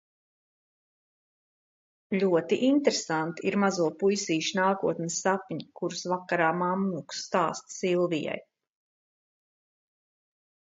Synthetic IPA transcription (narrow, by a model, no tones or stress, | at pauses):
ʎʲuɔt̪iʔint̪ɾesant̪iiɾmazuɔpujsiːʃnaːkuɔt̪nʲɪsapɲikuɾusvakːaɾaːmamnuksːt̪aːst̪silˠvija̰j